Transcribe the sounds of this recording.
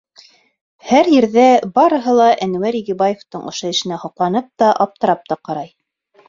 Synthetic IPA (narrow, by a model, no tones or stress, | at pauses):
hæɾjɘ̆ɾðæbɑɾɤ̆ɦɤlˠɑʔænwæɾiɡibɑjeft̪ɤɴʔŏʃoɘ̆ʃɘ̆næhŏqlˠɑnɤp̚t̪ɑʔɑp̚t̪ɤ̆ɾɑp̚t̪ɑqɑɾɑj